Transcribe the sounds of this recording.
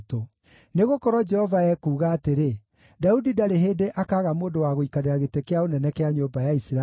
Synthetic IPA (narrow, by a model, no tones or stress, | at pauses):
to | neɣokɔɾɔd͡ʒɛhɔvaɛkuːɣaːteɾe | daudidaɾeɦeːdeʔakaːɣamoːndowaɣoikaɾeɾaɣetekeaonɛnɛkeaɲoːbajaisɾa